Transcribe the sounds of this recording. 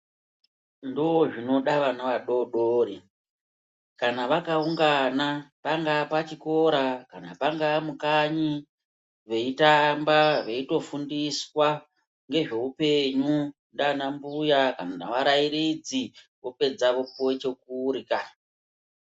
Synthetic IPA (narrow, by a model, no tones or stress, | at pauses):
ndooʐino̞ɗaʋanaʋaɗo̞ɗoːɾi | kanaʋakauŋɡanapaŋɡapat͡ʃiko̞ɾakana̰paŋɡamukaɲi | ʋe̞itambaʋe̞ito̞fundiswa | ŋɡe̞ʐe̞upe̞ɲu | ndanambujakanana̰ʋaɾaiɾid͡zi | ʋo̞pe̞d͡zaʋo̞powet͡ʃe̞kuɾika